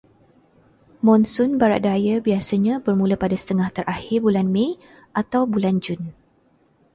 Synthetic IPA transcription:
mɔ̃nsʊnbaɾa̰ʔ̪̚dajəbiasəɲãbərmũləpadasə̥t̪əŋaht̪əɾʔahɪrbulanmẽ | ʔat̪awbuland͡ʒʊn

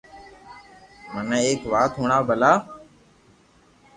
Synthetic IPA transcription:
mənəeːkʋaːt̪ɦuːɳaːbʱəlaː

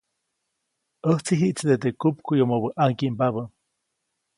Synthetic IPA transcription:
əht͡siɦiʔt͡sd̪et̪ekup̚kujomoβəʔaŋkimpaβə

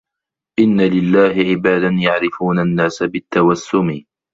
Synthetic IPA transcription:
ʔɪnːalɪlːaːhɪʕɪbaːd̪anjaʕɾɪfuːnanːaːsabɪt̪ːawasːʊmɪ

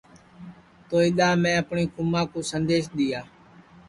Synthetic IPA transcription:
t̪oːiɗ̪aːmɛ̃ːəpɳiːkʊmãːkoːsənd̪eːʃɗ̪ɪjaː

